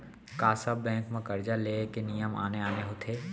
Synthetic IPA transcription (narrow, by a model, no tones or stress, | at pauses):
kaːsɐbːɛ̃ːŋkmẽkɐɾd͡ʒaleːkenijəma̰ːneaːneɦot̪ʰeː